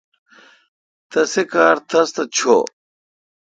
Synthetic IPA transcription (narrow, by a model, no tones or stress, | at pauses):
t̪ɐsekaːɾt̪ʰɐst̪ɐt͡ɕʰo̰ː